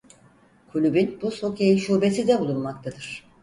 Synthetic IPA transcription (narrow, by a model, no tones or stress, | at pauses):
kʰulʲybynbuso̞kʰejiʃuːbesid̪ɛbulˠunmak̚t̪ʰad̪ɯɾ̝̥